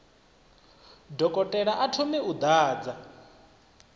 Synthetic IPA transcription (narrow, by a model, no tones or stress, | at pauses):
dɔkʼɔtʼɛɺaʔatʰomɛud̪aːd͡za